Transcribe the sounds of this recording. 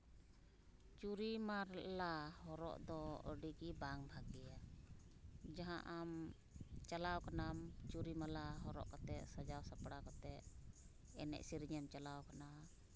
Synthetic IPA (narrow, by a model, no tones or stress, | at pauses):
t͡ʃuɾimaɾlahɔɾɔ̰ʔd̪ɔə̰ɖiɡibaŋbʱaɡɛja | d͡ʒaɦãʔam | t͡ʃalawkanamt͡ʃuɾimalaɦɔɾɔʔkat̪ɛʔsad͡ʒawsapɽakat̪ɛʔ̚ | ɛ̰nɛ̰ʔsiɾɲɛmt͡ʃalawkana